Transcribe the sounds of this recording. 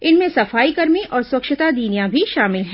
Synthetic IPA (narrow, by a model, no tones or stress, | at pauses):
ɪnmẽsɐfaːikɐɾmiʔɔːɾswɐkʃɪt̪ad̪iːnijãbʱiʃaːmɪlɦɛ̃ː